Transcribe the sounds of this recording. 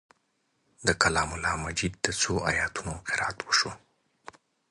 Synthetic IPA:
d̪əkalɑmʊlɑmad͡ʒid̪̚ːət͡soɑjɑt̪unoqɪɾɑat̪wəʃo

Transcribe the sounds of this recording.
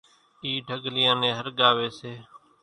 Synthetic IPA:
iːɖʱəɡʱlɪjãːnẽːɦəɾɠaːʋeːseː

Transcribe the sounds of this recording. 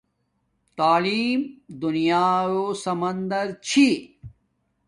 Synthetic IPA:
t̪aːliːmd̪unijaːjoːsɐmɐnd̪ɐɾt͡ɕʰi

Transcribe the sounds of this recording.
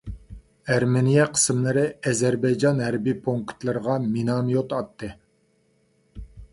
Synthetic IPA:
æɾmenijɛqʰə̥smlˠɨɾɨɛzæɾbɛjd͡ʒɑnɦæɾbipʰoŋkt̪lˠɨɾəʁɑminɑmijot̪ɑt̪ːɨ

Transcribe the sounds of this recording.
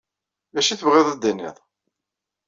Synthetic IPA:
læʃiθəvʁɪðˤæd̪ːænːḭðˤ

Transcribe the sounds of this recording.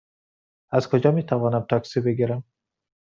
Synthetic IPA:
azkʰud͡ʒɒmit̪ʰavɒnamt̪ʰaksibeɡiɾam

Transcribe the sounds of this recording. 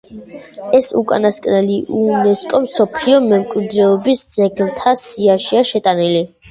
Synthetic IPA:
ɛsṵkʼa̰naskʼnɛliʔunɛskʼɔmsɔpʰliɔmɛmkʼwid̪ɾɛɔbisd̪z̥ɛɡlt̪ʰasiaʃiaʃɛt̪ʼanili

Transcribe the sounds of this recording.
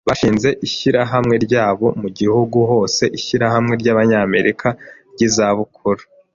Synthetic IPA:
βaʃiːnze̞ʔiʃiɾaɦamŋe̞ɾɟaːβo̞muɡihuɡuɦo̞ːse̞ʔiʃiɾahamŋe̞ɾɟaβaɲame̞ɾʔikʰaɾɟizaβukʰuɾu̥

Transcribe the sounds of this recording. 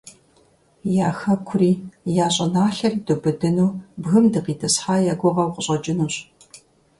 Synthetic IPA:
jaːxɐkʷʰʊriːjaːɕʼɐnaːɬɐrdobɨdɨnuːbɣɨmdɨqiːtʰɐsħaːjaːɡʷɔʁɐwqʷəɕʼɐd͡ʒɪnuːɕʼ

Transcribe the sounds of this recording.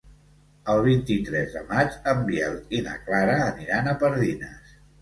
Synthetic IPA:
əlˠβ̞int̪it̪ɾɛzðə̰mat͡ʃəmbiɛlˠt̪inə̰klaɾəːniɾanəpəɾðinəs

